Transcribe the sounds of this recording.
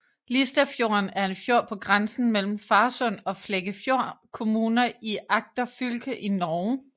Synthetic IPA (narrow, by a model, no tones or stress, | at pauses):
lisd̥æfjo̝ɐnæɐe̝nfjo̝ɐ̰pʰɒ̽ɡ̥ʁansn̩mel̰m̩fɑ̈ːsɔ̽n̰ɒ̽fleɡ̥əfjo̝ɐ̰kʰo̝muːnɐiʔɑ̈ɡ̥̚d̥ɐfylɡ̥əʔinɒʊ